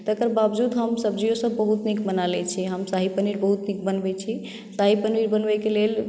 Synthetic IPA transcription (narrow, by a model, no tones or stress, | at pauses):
t̪əəkəɾbabd͡ʒud̪ɦəmsəbd͡ʒiosə̃bbəɦut̪nikbənalɛt͡ʃʰiɦəmsaɦipəniɾbəɦut̪nik̚bənbɛt͡ʃʰi | saɦipəniɾbənbɛkelel